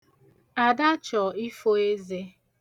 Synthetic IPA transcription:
a˨da˦t͡ʃɔ˨i˦fo˦e˦ze˦

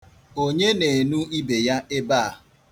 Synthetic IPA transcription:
o˦ɲe˦ne˨nu˦i˦be˨ja˦ʔe˦baː˦˨a˨

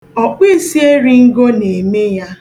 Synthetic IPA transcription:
ɔ˨k͡pi˦si˦e˦ɾi˦ŋ̩˦ɡo˦ne˨me˦ja˦

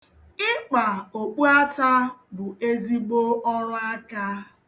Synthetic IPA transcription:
ɪ˦k͡pa˨o˨k͡pu˦a˦ta˦bʊ˨e˦zi˦ɡ͡bo˦ʔɔ˦ɾʊ˦a˦ka˦

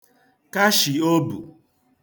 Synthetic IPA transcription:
ka˦ʃi˨o˦bṵ˨

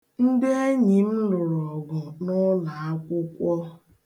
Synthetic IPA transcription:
n̩˦de˦e˦ɲi˨m̩˦lʊ˨ɾɔ˨ɡʊ˨nʊ˦la˨a˦kʷʊ˦kʷɔ˦

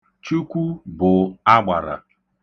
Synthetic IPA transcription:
t͡ʃu˦kʷu˦bʊ˨a˦ɡ͡ba˨ɾa̰˨

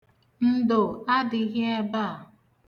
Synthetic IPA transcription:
n̩˦do˨a˦dɪ˨˦ɦe˦e˦ba˦˨

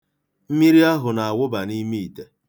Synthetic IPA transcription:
m̩˦mi˦ɾi˦a˦ɦʊ˨na˨a˨wʊ˦ba˨ni˦mi˦i˨te˨

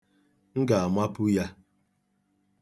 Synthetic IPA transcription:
ŋ̩˦ɡa˨a˨mʷa˦pu˦ja˦

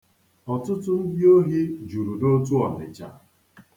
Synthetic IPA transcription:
ɔ˨tʊ˦tʊ˦n̩˦di˦o˦ɦe˦d͡ʒu˨ɾu˨no˦tu˦ɔ˨mɪ̰˨t͡ʃa̰˨

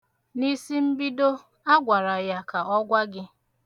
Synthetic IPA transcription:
ni˦si˦m̩˦bi˦do˦ | a˦ɡʷa˨ɾa˨ja˦ka˨ɔ˦ɡʷa˦ɡɪ˦

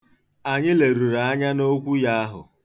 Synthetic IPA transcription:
a˨ɲɪ˦le˨ɾu˨ɾa˨˦a˦ɲa˦no˦kʷu˦ja˦a˦ɦʊ̰˨

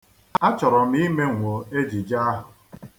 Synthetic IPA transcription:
a˦t͡ʃɔ˨ɾɔ˨m̩˦i˦me˦ŋʷo˨e˦d͡ʒi˨d͡ʒa˦a˦ɦʊ˨

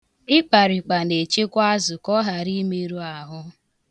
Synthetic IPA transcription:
ɪ˦k͡pa˨ɾi˨k͡pa˨ne˨t͡ʃe˦kʷa˦zʊ˨kɔ˦ɦa˨ɾi˦me˦ɾu˦a˨ɦʊ˦

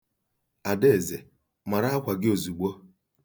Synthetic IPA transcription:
a˨de˦e˨ze˨ | ma˨ɾa˦a˦kʷa˨ɡɪ˦o˨zu˨ɡ͡bo˦

